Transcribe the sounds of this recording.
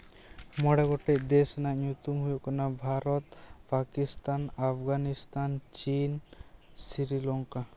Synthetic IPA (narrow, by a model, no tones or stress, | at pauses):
mɔɽeɡɔʈed̪esnanut̪umɦujukɔnabʱaɾɔt̪pakist̪anapʰɡanist̪ant͡ʃinsiɾilɔŋka